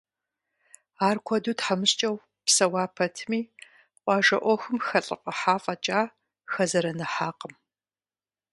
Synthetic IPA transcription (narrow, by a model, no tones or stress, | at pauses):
aːrkʷʰɔduːtħamɨɕt͡ʃʼɐw | psɐwaːpʰɐtʰɨmiː | qʷʼɑːʒɐ̰ʔʷɔxɨmxɐɬʼɨ̰qʼɐħaːfʼɐt͡ʃʼaː | xɐzɐɾɐnɐħaːqəm